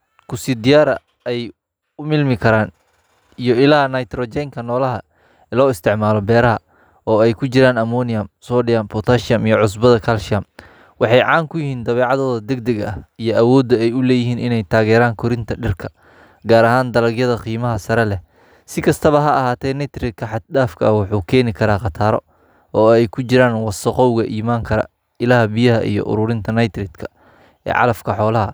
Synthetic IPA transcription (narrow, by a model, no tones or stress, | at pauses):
kʰʊsiːd̪ɪjaːɾɐ̰ | ɛj | ʊmɪlmɪkʰɐɾaːn | ijɞɪlaːnɐjt̪rɔːt͡ʃɛŋkʰɐnɔːlɐɦɐ | lɔːɪst̪ʰɪʕmaːlɔbɛːɾɐɦɐ | ɔːɛjkʰʊt͡ʃɪɾaːnɐmɔːnɪjɐmsɔːɖɪjampʰɔt̪ʰaːʃɪɐmijɞʕʊs̬bɐðɐkʰɐlʃɪam | wɑħɑjʕɑːŋkʰʊjɪhiːnd̪ɐβɛːʕɑðɔːðɐd̪ɛɡ̚d̪ɛɡɐɐhijɞʔɐwɔːd̪ːɐɛjʊlɛːjɪɦiːnɪnɛjt̪ʰaːɣɛːɾaːŋkʰʊɾɪnt̪ʰɐɖɪrkʰɐ̥ | ɡaːɾɐɦaːnd̪ɐlɐɡjɐðɐqiːmɐɦɐsɐɾɛlɛ | sɪkʰɐst̪ʰɐβɐɦɐʔɐhaːt̪ʰɛːnɛt̪ɾɪd̪̚kʰɐħɑt̪̚daːfkʰɐwɑħuːkʰɛːnɪkʰɐɾaːqɑt̪ʰaːɾɔ̰ | ɔːɛjkʰʊt͡ʃɪɾaːnwɑsɔqɔwɣɐʔiːmaːŋkʰɐɾɐ̰ | ɪlaːhɐbijɐɦɐʔḭjɔ̰ʔʊ̰ɾʊːɾɪnt̪ʰɐnɐjt̪ɾɪd̪kʰɐ | ʔɛ̰ːʕɑ̰lɐfkʰɐħɔːlɐɦɐ